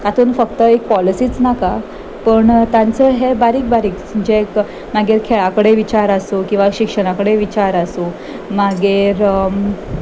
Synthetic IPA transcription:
t̪at̪ʰuːnfəkt̪əek̚pɔlisiːt͡snaka | pəɳt̪ant͡səɦebaɾiːk̚baɾiːk | əd͡ʑek | maɡeɾkʰeɭakəɽeʋit͡ɕaɾəsukĩw̃ʋaɕikʂəɽ̃akəɽeʋit͡ɕaɾəsu | maɡeɾ

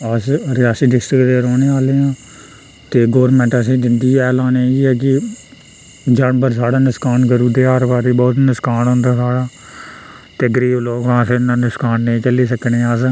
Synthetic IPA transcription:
əsɾɪaːsiːɖɪsʈɾɪkd̪eːɾoːneːaːleːãː | t̪eːɡoːɾmɛ̃ɳʈəs̬ĩːd͡ʒɪnd̪iɛːlãːneːd͡ʒiɛːk̬ɪ | d͡ʒaɳbəɾsaːɽaːnɪskaːnkəɾuːd̪eːaːɾʋaːɾiːbɔːt̪nɪskaːnõːnd̪aːsaːɽaː | t̪eɡɾiːloːɡãːsenaːnɪskaːnːəĩːt͡ʃəliːsəkneːaːs

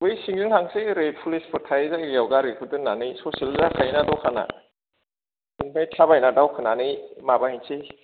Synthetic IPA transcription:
ɡɯjsiŋzɯŋhaŋseɾepʰulispʰɔtʰajzaawɡaɾekʰudɯnːanɯjsɔsilzakʰajnadɔkʰana̰ | iŋmʰajtʰabajnadawkʰɯnanɯjmabahinsʰe

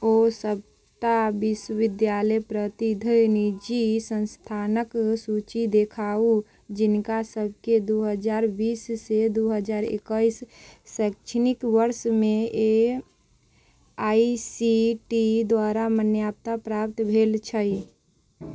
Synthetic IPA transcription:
osəb̚ | t̪abiswəʋɪd̪jaləjpɾət̪id̪ʱəjnid͡ʒisə̃nst̪ʰanəksut͡ʃid̪ekʰau | d͡ʒinkasəbʱked̪uɦəd͡ʒaɾbiːsːed̪uɦəd͡ʒaɾḛkəisːɛkt͡ʃʰnikʋəɾsmee | aisiʈid̪waɾamənjap̚t̪apɾap̚t̪bʱelt͡ʃʰəi

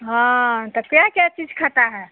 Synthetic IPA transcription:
ɦãt̪ɔkjakjat͡ʃid͡ʒkʰat̪aɦɛ

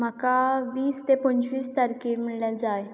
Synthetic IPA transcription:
m̤akaʋiːst̪epənt͡ɕʋiːst̪əɾkim̤iɭljad͡zaj

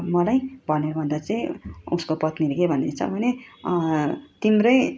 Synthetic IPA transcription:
mʌlajbʱʌneɾbʱʌnd̪at͡sʌĩṵskopʌt̪niɾɡebʱʌnd̪et͡sʰʌ̰bʱʌne | t̪imrʌj

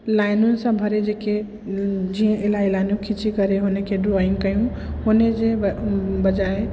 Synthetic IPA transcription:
laɪnunsə̃bʱəɾed͡ʒeke | d͡ʒĩʔelailainũkʰit͡ʃikəɾeɦonekeɖɾoiŋɡkəjũ | honed͡ʒebəd͡ʒae

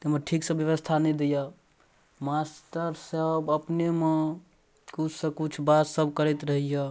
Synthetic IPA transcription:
t̪emeʈʰiksəbjəʋəst̪ʰanɛjd̪eja | mast̪əɾsəbəpneme | kut͡ʃʰsə̃kut͡ʃʰbat̪səbʱkəɾɛt̪ɾəɦija

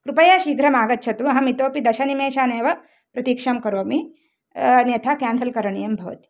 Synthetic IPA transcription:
kɾupɐjaːʃiːɡɾɐmaːɡɐtːʃʰɐt̪uɐɦɐmit̪oːpid̪ɐʃɐnimeːʃaːneːʋɐ | pɾɐt̪iːkʂɐmkɐɾoːmi | ɐnjɐt̪ʰakaːnsɐlkɐɾɐɳijɐmbʱɐʋɐ̰t̪i̥

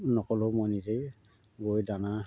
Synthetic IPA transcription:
nɔkɔlɔmɔjnizej | ɡojdana

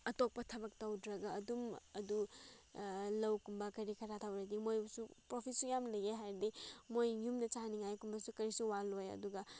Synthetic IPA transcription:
ɐtok̚pɐtʰɐbɐk̚tawdɾɐɡɐːdumɐdu | lɐwkumbɐkɐɾikʰɐɾatʰawɾadimojbɐsupɾopʰisujamlɐjɡeɦajɾdimojjumdɐt͡ʃaniŋajkumbɐsukɐɾisuwalojɐ̰duɡɐ

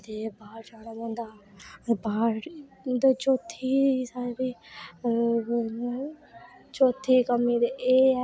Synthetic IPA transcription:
d̪eːbaːɾd͡ʒaːnaːmõːnd̪aː | baːɾ | d̪ot͡ʃoːt̪ʰːiːsabiː | t͡ʃoːt̪ʰiːkəmiːd̪eeː

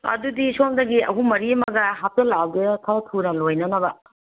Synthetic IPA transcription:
ɐ̰dudisomdɐɡiɐ̰ɦumɐɾimɐɡɐɦap̚tɐlab̚ɡetʰabɐtʰunɐlojnɐnɐbɐ

